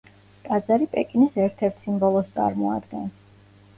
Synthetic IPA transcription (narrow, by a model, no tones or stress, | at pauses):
t̪ʼad̪zaɾipʼɛkʼinisɛɾt̪ʰɛɾt̪ʰsimbɔlˠɔst̪sʼa̰ɾmɔa̰d̪ɡɛn